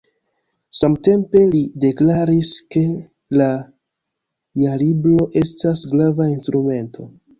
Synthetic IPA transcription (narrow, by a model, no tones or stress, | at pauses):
samte̞mpe̞lide̞klaɾiske̞ | la | mialibɾo̞ʔe̞stasɡɾavainstɾume̞ntʰo̞